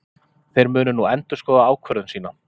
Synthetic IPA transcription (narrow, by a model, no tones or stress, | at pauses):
θejɾmʏːnʏnuɛnt̪ʏskɔːðaaːwkʰvœɾðʏnsiːna